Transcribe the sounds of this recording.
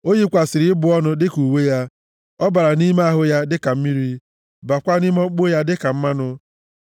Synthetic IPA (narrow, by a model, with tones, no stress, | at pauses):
o˦ɲi˦kʷa˨sɪ˨ɾɪ˨ɪ˦bʊ˨˦ɔ˦nʊ˦dɪ˦ku˨we˦ja˦ | ɔ˦ba˨ɾa˨ni˦me˦a˦ɦʊ˦ja˦dɪ˦ka˨m̩˦mi˦ɾi˦ | ba˨kʷa˦ni˦m˦ɔ˦k͡po˦ja˦dɪ˦ka˨m̩˦ma˦nʊ˦